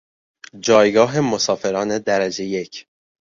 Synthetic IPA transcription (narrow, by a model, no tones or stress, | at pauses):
d͡ʒɒːjɡɒːɦe̞mosɒːfe̞ɾɒːne̞d̪æɾæd͡ʒe̞je̞cʰ